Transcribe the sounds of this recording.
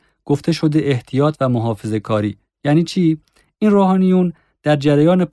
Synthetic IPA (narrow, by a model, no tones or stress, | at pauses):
ɡ̥o̞ft̪ʰe̞ʃo̞d̪e̞ʔeht̪ʰijɒːt̪ʰvæmoɦɒːfe̞ze̞kʰɒːɾḭː | jæniːt͡ʃʰiː | inroːhɒːnijun | d̪̥æɾd͡ʒæɾæjɒːne